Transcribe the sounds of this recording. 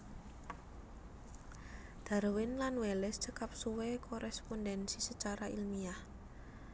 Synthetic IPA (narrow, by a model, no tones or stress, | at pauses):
d̪̥a̤rwɪnlanwelɛst͡ʃəkap̚suwekʰoɾɛspɔndɛnsisət͡ʃaɾailmiah